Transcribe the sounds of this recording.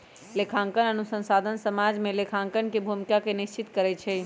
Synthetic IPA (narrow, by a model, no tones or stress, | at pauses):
lekʰãŋkənənusə̃nsad̪ʱənsəmad͡ʒmelekʰãŋkənkebʱumikakenist͡ʃit̪kəɾɛt͡ʃʰɛ